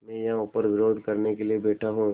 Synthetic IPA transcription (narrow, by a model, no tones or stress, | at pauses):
mɛ̃ːjɐɦãʊpəɾʋɪɾoːd̪ʱkɐɾnekeliebɛːʈʰaɦũ